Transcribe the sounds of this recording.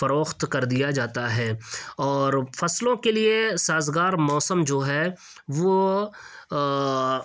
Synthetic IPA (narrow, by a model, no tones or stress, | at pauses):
fɐɾoːxt̪kɐɾd̪ijad͡ʒaːt̪aɦɛːɔːɾfɐslõkeliesaːzɡaːɾmɔːsəmd͡ʒoːɦɛ | ʋo